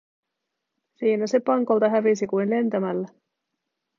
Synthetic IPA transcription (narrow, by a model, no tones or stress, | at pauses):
siːnæse̞pɑŋko̞lt̪ɑɦæʋisikujnle̞nt̪æmælːæ